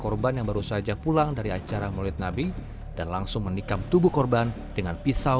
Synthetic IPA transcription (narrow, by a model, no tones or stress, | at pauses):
kɔrbanjaŋbaɾusad͡ʒapulaŋdaɾiat͡ʃaɾamolɪt̪̚nabi | d̥anlaŋsʊŋmənikamt̪ubuhkɔrban | dəŋanpisa